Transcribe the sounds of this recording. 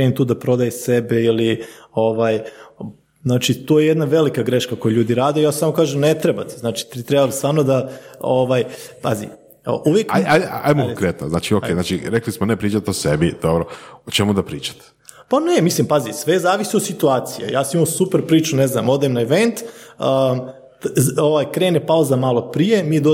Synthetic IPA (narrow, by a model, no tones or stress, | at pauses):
eemt̪uːd̪apɾo̞d̪ajesebeilio̞ʋaːj | znaːt͡ʃit̪uːjejed̪naʋe̞likaɡɾeʃkakojeʎuːd̪iɾaːd̪ejaːssaːmokaːʒemnet̪ɾebat̪eznaːt͡ʃi̥t̪ɾit̪ɾebalsaːmnod̪aoʋajpazḭ | o̰ʔuʋjekajajaajmokoŋkɾet̪no̰za̰ːt͡ʃiokeːznaːt͡ʃiɾeklismonepɾiːt͡ʃat̪osebid̪̥obɾoot͡ʃemud̪apɾiːt͡ʃḁt̪ | panemislimpazisʋezaːʋisiod̪sit̪uaːt̪sijḛjaːsamimasupeɾpɾiːt͡ʃune̞zna̰mo̞d̪emnaeʋent̪ə | oʋajkɾeːnepauzamaːlo̞pɾije̞mijed̪o